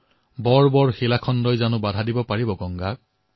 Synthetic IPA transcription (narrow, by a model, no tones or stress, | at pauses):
bɔɹbɔɹxilakʰɔndɔjzanʊbadʱadibɔpaɹibɔɡɔŋɡa